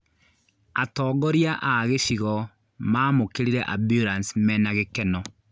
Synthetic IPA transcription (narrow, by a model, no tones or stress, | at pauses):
atɔːɡɔɾjaʔaɣeʃiɣɔ | maːmokeɾiɾɛʔabjuɾansmɛnaɣekɛnɔ